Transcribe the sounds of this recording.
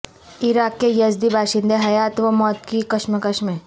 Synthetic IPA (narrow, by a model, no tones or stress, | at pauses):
ɪɾaːkːejɐzd̪ibʱaːʃɪ̃nd̪eɦɐjaːt̪ʋɐmɔːt̪kikɐʃməkɐʃme